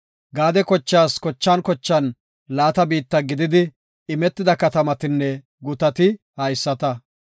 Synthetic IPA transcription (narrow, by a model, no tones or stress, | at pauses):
ɡaːd̪ɛkɔt͡ʃːaːskɔt͡ʃːankɔt͡ʃːɐn | laːt̪ɐbiːt̪ːɐɡɪd̪ɪd̪ɪ | ɪmɛt̪ːɪd̪ɐkɐt̪ɐmɐt̪ɪnːɛ | ɡʊt̪ɐt̪ɪ | hɐjsːɐt̪ɐ